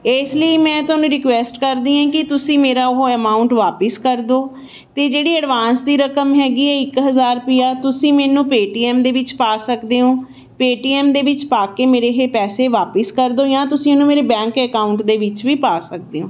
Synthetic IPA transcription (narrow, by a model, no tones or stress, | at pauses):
ɪːsləiːmɛ̃ːt̪ʊaːnũːɾɪkʋɛːsʈkəɾd̪iːɦãːkɪt̪ʊsĩːmeːɾaːʊɦoəmaːʊɳʈʋaːpəskəɾd̪oː | t̪eːd͡ʒeːɽiːəɖʋaːnsd̪iːɾəkəmɦɛːɡiːɛːɪkɦəzaːɾpijaːt̪ʊsĩːmɛ̃ːnũːpeːʈiːɛːmd̪eːʋɪt͡ʃpaːsəkd̪eːɦõː | peːʈiːɛːmd̪eːʋɪt͡ʃpaːkeːmeːɾeːɦeːpɛːseːʋaːpəskəɾd̪oːjãːt̪ʊsĩənũːmeːɾeːbɛ̃ːŋkəkaːʊɳʈd̪eːʋɪt͡ʃʋiːpaːsək̚d̪eːɦõː